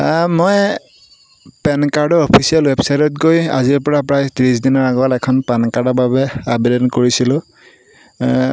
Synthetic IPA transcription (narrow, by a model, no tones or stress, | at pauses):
moj | pɛnkaɹdɔɹɔpʰisialwɛbsajtɔtɡoja̰ziɹpɔɹapɹajtiɹisdinaɹaɡɔlɛkʰɔnpɛnkaɹdɔbabɛabidɛnkoɹisilʊ̃